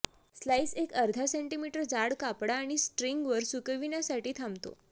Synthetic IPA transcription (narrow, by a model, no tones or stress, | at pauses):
slaisekəɾd̪ʱaseɳʈimiʈəɾd͡zaɽkapɽaːɽ̃isʈɾiŋɡʋəɾsukəʋiɳjasaʈiːt̪ʰamt̪o̰